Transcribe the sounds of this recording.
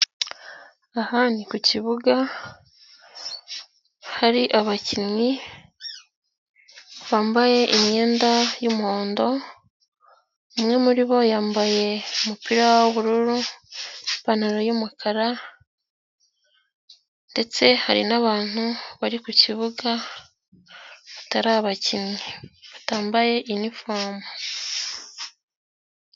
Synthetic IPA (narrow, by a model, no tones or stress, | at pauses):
ahanikuciβuɡa | haɾiʔaβacinŋwi | βaːmbaje̞ʔimɲe̞ːndajumuhoːndo̞ | umŋe̞muɾiβo̞jaːmbaje̞umupiɾawoβuɾuɾu | panaɾojumukʰaɾa | nde̞t͡se̞haɾḭnaβaːn̥huβaɾikuciβuɡa | βataɾaːβacimɲeβataːmbaje̞ʔinifomu